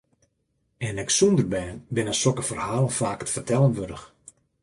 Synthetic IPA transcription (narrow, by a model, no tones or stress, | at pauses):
ɛnɪksundərbɛːnbɪnəsɔkəfərhaːlˠəfaːkətfərtʰɛlˠənʋødəx